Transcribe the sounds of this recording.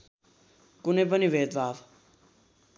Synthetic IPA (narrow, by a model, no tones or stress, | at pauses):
kʊnebəniʋeːd̪ʋaːʋ